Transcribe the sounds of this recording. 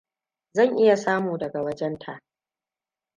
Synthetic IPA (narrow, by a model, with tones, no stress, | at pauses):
zɐ˦˨ŋʔɪ˦ja˨saː˦muː˨dɐ˨ɡa˨wɐ˦d͡ʒɛ˦ntʰa˨ʔ